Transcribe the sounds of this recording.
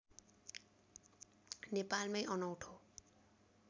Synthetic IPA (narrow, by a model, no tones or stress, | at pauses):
nepalmajʔʌnʌwʈʰo